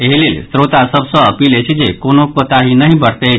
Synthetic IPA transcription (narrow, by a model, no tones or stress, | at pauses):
eɦlelsɾot̪asəbsɔːpiːlet͡ɕid͡zekonokot̪aɦinəɦibəɽt̪e